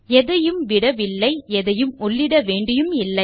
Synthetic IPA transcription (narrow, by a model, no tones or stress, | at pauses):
ɛðɐjɯmʋɪɽɐʋɪlːɐɪɛðɐjɯmɔɭːɪɽɐʋeːɳɖɪjɯmɪlːɐ